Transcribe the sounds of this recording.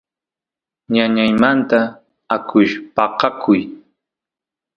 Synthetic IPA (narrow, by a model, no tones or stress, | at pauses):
ɲaɲajmant̪aː | kʰʊʃpɑqɑkʰʊj